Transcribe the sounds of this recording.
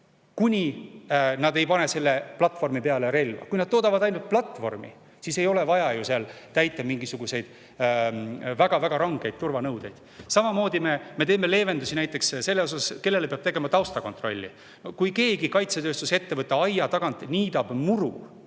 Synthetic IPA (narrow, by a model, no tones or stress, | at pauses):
kunʲi | nɑd̪e̞jpɑne̞se̞lːe̞plɑt̪vo̞rmipeɑle̞ɾe̞lvɑ̰kujnɑd̪̚to̞ːd̪ɑvɑd̪ɑjnult̪̚plɑt̪ːˑvo̞̰rmḭ | siːse̞jo̞le̞vɑjɑjuseɑlt̪æjt̪ːˑɑmiŋɡisuɡ̥use̞jd̪̥ | væɡ̥ɑvæɡ̥ɑɾɑŋɡ̥e̞jd̪̚t̪urvɑnɤwd̪̥e̞jd̪̥sɑmɑmo̞ːd̪ime̞me̞t̪e̞ːme̞le̞ːve̞nd̪usinæjt̪ːˑe̞ksse̞lːeo̞sɑske̞lːe̞lepeɑb̥̚t̪e̞ɡe̞mɑt̪ɑwst̪ɑko̞nt̪ro̞lʲːḭ | kujke̞ːɡikɑjt̪set̪ø̞ːst̪use̞t̪ːevɤt̪ˑːeɑjɑt̪ɑɡ̥ɑnt̪nʲiːd̪ɑb̥muɾṵ